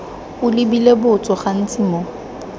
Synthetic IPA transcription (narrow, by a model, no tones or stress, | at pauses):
ʊlɪbilebʊt͡sʼɔχan̩t͡sʼimɔ